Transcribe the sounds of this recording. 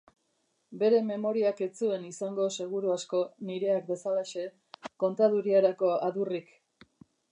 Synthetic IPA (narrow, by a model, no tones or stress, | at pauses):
be̞ɾe̞me̞mo̞ɾiake̞t͡sue̞nisaŋɡo̞se̞ɣ̞uɾuasko̞niɾe̞ak̚d̪e̞salaʃe̞ | ko̞nt̪aðuɾiaɾako̞aðurik